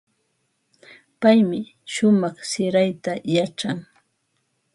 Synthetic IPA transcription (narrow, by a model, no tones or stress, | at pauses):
pajmɪ | ʃʊmɑχsɪɾajt̪ajaʈ͡ʂaŋ